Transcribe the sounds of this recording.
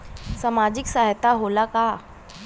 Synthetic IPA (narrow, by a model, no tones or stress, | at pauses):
samad͡ʑiksaɦt̪aɦolaka